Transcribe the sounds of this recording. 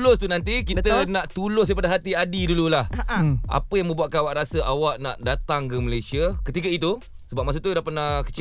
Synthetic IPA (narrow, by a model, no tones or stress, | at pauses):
lʊst̪unant̪̬ikit̪ənãʔt̪ulʊs̬depadaɦat̪iadidululaha̰pəjaŋmə̃mbuat̪̚kanawaʔɾasəʔawaʔna̰ʔdat̪aŋkəməlajsiəkət̪ikəit̪u | səbap̚mas̬at̪udahpanakə̥t͡ʃ